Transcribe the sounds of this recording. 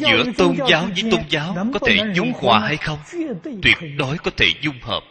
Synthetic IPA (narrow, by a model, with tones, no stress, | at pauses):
zɨ̰˧˩˥ət̪o˧nzaː˨˦wzɨː˨˦jt̪o˧nzaː˨˦wkɔ˨˦t̪ʰe˧˩zʊ˨˦ŋ͡mkwaː˨˩ha˧jxə˧wŋ͡mt̪wi˨˩ət̚ɗo˨˦jkɔ˨˦t̪ʰe˧˩zʊ˧ŋ͡mhə̰ː˨˩p̚